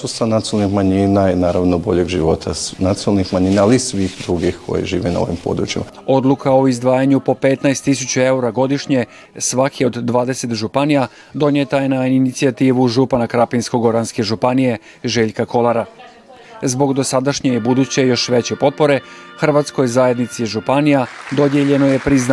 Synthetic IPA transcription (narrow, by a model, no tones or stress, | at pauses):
susanat̪iolnixmaɲinainaːɾaʋnobo̞ʎeɡʒiʋo̞t̪ʰanat̪ionalnixmaɲiːnaalisʋiːxd̪ɾuɡixkʰo̞̰jḭʒiːʋena̰o̰ʋḭmpo̞̰d̪ɾṵt͡ʃima̰ | o̞d̪lˠukʰao̞izd̪ʋaːjaɲupo̞pet̪naest̪ːisut͡ɕue̞uɾaɡo̞d̪iʃɲe̞ | sʋakʰio̞d̪ːʋaːd̪e̞se̞t̪ʒupanija | d̪o̞ɲet̪ajenaiinit̪siat̪iːʋuʒupanakɾapinsko̞ɡo̞ɾanske̞ʒupanije̞ | ʒe̞ʎkako̞lˠaɾa | zbo̞ɡd̪o̞sad̪aʃɲebud̪ut͡ɕe̞jo̞ʃʋe̞t͡ɕepo̞t̪̚po̞ɾe̞xr̩ʋat̪sko̞jzaːje̞d̪nit̪siʒupanijad̪o̞d̪jeʎe̞no̞je̞pɾizna